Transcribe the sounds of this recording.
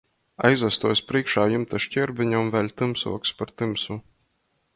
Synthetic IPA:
a̰jzvæst̪uɔjsʲpɾiɛkʃaːjumt̪aʃcʲɛɾbʲiɲɔmvælʲt̪ɨmsṵɔkspaɾt̪ɨmsu

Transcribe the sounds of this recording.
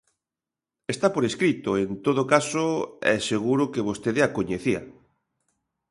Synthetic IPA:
est̪apoɾeskɾit̪oent̪oðokasoɛ̰seɣ̞uɾʊkeβost̪eðeakoɲeθia̰

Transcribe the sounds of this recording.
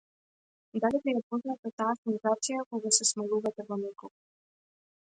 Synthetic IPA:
d̪alibijapɔznat̪ɛt̪aakunzat̪sijakɔɡasɛsmɛlˠuvat̪ɛvɔnɛkɔ

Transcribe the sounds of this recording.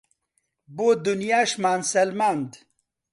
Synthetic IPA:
boːd̪unjaːʃmaːnsɐlmaːnd̪

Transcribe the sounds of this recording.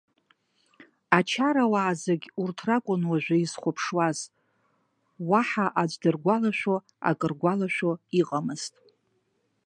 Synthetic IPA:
at͡ʃʰaɾawaːzaɡʲurtʰrakʷʼʊnwaʒᶣʷaizχʷʊpʰʂwaz | waħaʔad͡ʒʷdɨrɡʷalaʃᶣo | a̰kʼɨrɡʷalaʃʷᶣoiqʼamɨz̥tʼ

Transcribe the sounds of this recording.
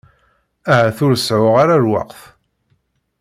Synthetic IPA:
æhæθʊɾsʕʊʁaɾaɾwɑ̰qθ

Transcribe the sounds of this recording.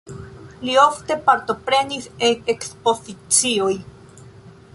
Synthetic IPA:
lioft̪e̞paɾt̪opɾenisekeksposit͡sioj

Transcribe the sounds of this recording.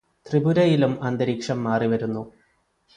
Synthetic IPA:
t̪ribuɾɐjilumɐnd̪ɐɾiːkʂɐmːaːriʋɐɾunːu

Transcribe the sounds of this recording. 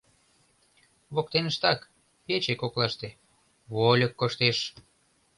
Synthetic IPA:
βok̚t̪enəʃt̪ɑk | pet͡ɕekoklɑʃt̪e | βolʲəkːoʃt̪eʃ

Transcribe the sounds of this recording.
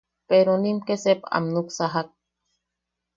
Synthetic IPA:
peɾonimkesepa̰mnuksaɦak̚

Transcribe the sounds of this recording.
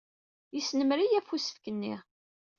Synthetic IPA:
jisnəmɾijæfusə̥fkənːḭʁ

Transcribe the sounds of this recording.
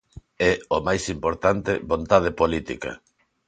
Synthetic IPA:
ɛomajsimpoɾt̪ant̪ɪβont̪að̞epolit̪ḭkɐ̰

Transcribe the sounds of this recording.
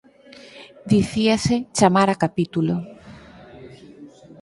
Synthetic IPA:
d̪iθiaset͡ʃamaɾakapit̪ulo

